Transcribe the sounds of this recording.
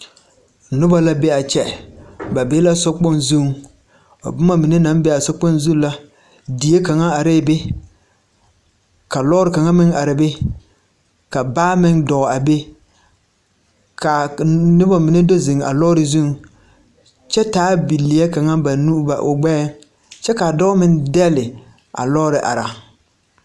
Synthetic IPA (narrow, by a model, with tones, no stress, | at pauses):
nʊ˦ba˦la˦bɛ˦a˨t͡ʃɛ˦ba˨be˦la˦sʊ˦k͡pɔ˦nzu˦˨ŋ | a̰˨bʊ˦ma˦mi˨ne˦na˨˦mbɛ˦a˨sʊ˦k͡pɔ˦nzu˦la˦ | di˨je˦ka˨ŋa˦a˨ɾeː˦˨bɪ˦ | ka˨lɔ˦ɾɪ˨ka˨ŋa˦mɪ˦ŋa˨ɾɪ˨bɪ˦ | ka˨baː˦mɪ˦ŋdɔː˨a˨be˦ | ka˨nɪ˦bɔ˦mi˨ne˦do˦zɪ˨ŋa̰˨lɔː˦ɾɪ˨zu˦ŋ | t͡ʃɛ˦taː˨˦bi˨lːi˨a˦ka˨ŋa˦ba˨nu˦ba̰˨ʔʊ˨ɡ͡bɛː˦ŋ | t͡ʃɛ˦ka˨dɔː˦mɪ˦ndɛ˦lɪ˨ | a̰˨lɔ˦ɾɪ˨ʔa̰˨ɾa˨